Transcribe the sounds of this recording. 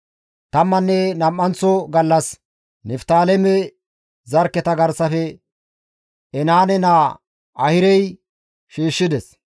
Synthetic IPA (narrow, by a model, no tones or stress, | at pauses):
t̪ɐmːɐnːɛnɐmːɐnt͡sːɔɡɐlːɐs | nɛft̪aːlɛmɛ | zɐɾkːɛt̪ɐɡɐɾsɐfɛ | ɛnaːnɛnaː | ɐhɪɾɛj | ʃiːʃːɪd̪ɛs